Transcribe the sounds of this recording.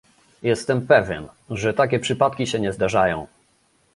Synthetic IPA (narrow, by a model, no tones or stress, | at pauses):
jɛst̪ɛmpɛvʲjɛ̰n | ʐɛt̪akʲɛpʂɘpat̪̚kʲiɕɛɲɛzd̪aʐajɔ̃w̃